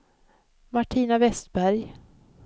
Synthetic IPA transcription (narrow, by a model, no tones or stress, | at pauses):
maʈʰiːnavɛst̪̚bæɾj